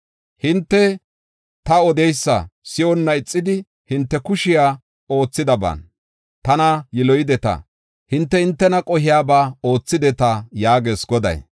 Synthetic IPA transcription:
hɪnt̪ːɛ | t̪ɐɔd̪ɛjsːɐ̰sɪɔnːɐɪt͡sʼːɪd̪ɪ | hɪnt̪ːɛkʊʃɪjaː | o̞ːt͡sːɪd̪ɐba̰ːn | t̪ɐnɐjɪlɔjɪd̪ɛt̪ɐ̰ | hɪnt̪ːɛhɪnt̪ːɛnɐkʼɔɦɪjaːbaːoːt͡sːɪd̪ɛt̪ɐjaːɡeːsɡɔd̪ɐ̰j

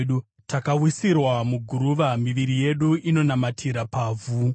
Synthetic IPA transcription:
ɗu | tʰakawisirwamuɡʱuɾuʋamiʋiɾije̞ɗuino̞namatʰiɾapaːvʱu

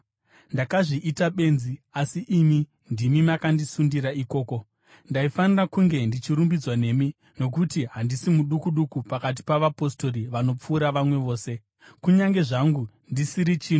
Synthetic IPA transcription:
ndakaʐiʔːtaɓe̞nziasiʔimi | ndimimakandisundiɾaiko̞ːko̞ | ndaifanirakuŋɡe̞ndit͡ʃiɾumbid͡zwane̞mi | no̞k̬utiɦandisimuɗukuɗukupakat̬i̥paʋapo̞sto̞ɾiʋano̞p͡fuːɾaʋamwe̞ʋo̞ːse̞ | kuɲaŋɡe̞ʐaŋɡu | ndisiɾit͡ʃiːno

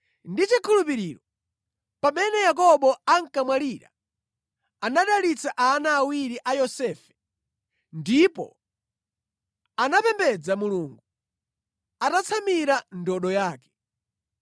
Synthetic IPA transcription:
ndit͡ʃikʰulupiɾiɾɔ | pamɛnɛjak̬ɔɓɔaŋ̩kamwaliɾa̰ | anaɗalit͡saʔanaːwiɾiʔajɔsɛːfɛ̥ | ndipɔ̰ | anapɛmbɛd͡zamuluːŋɡu | atat͡sʰamiɾandɔɗɔjaːkɛ̥

